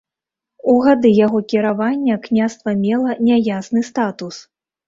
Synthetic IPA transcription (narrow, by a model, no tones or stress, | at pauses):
uɣad̪ɨjaɣɔkʲiɾavanʲːɐknʲast̪vɐmʲɛlˠɐnʲajasnɨst̪at̪us